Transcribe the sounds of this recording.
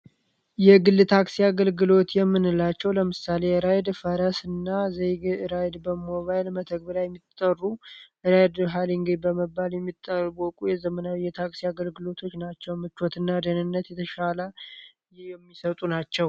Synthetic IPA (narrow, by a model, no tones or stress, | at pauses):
jɛɡɨlːɨt̪ʰaksiaɡəlɡɨlo̞t̪jɛmːɨnɨlat͡ʃːɛwləmɨsale̞ɨɾajd̪fəɾəsɨnːazejɡɨɾajd̪bəmoβajlmət̪ʰəɡ̚bɨlajɛmːit̪ʼərːuʔɨɾajd̪ɦaliŋɡebəməbːaljɛmːit̪ʼːərbokʼujɛzəmənawjːɛt̪ʰaksiaɡəlɡɨlo̞t̪ʰo̞t͡ʃːnat͡ʃːɛwmɨt͡ʃːɔt̪ɨnːad̪ənɨnːət̪jɛt̪ʰəʃalə | jɛmːisət̪ʼunat͡ʃːɛw